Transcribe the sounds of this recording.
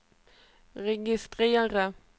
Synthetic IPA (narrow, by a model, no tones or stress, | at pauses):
ʁɛɡɪst̪ʁeːəʁə